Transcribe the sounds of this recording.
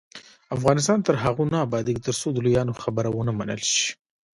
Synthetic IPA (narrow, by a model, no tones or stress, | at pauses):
afɣɑnɪs̬t̪ɑnt̪əɾɦaɣunɑːbɑd̪ik̚t̪əɾsod̪əlujɑnoxabəɾawənamanə̰lʃi̥